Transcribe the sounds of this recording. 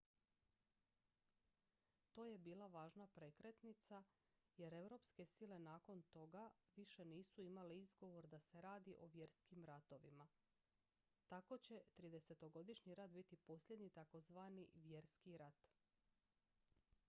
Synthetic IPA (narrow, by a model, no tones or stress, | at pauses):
t̪o̞ːje̞biːlˠaʋaːʒnapɾekɾet̪nit̪sa | je̞ɾe̞ʋɾo̞pske̞sile̞naːko̞nt̪o̞ɡaʋiʃe̞niːsuimaleizɡo̞ʋo̞ɾd̪ase̞ɾaːd̪iʔo̞ʋje̞ɾskimɾat̪o̞ʋima | t̪ako̞t͡ɕe̞t̪ɾid̪e̞se̞t̪o̞ɡo̞d̪iʃɲiɾat̪bit̪ipo̞slʎʲje̞d̪ɲit̪ako̞zʋaːniʋje̞ɾskiɾat̪